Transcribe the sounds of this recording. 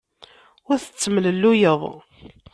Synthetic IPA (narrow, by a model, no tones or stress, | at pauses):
ʊɾθə̥t͡sːəmləlːujəðˤ